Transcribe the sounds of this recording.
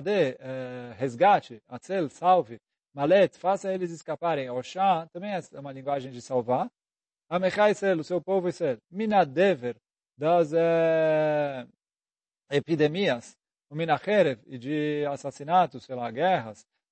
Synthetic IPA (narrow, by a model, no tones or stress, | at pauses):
d̪eɛhezɡat͡ʃiat͡selsawvi | malet̪fasaelizɪskapaɾẽj̃ɔʃãt̪ɐ̃mbẽj̃ɛsɛũmɐlĩŋɡwaʒẽj̃d͡ʒɪsawva | ɐmeχajselʊsewpovʊiselminad̪eveɾ | d̪ɐzɛ | epid̪emiɐs | uminaχeɾevid͡ʒiasasinat̪ʊselaɡɛχɐs